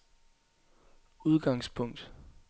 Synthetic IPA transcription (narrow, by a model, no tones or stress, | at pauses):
uð̞ˠɡ̥ɑ̈ŋspʰɔ̽ŋ̰d̥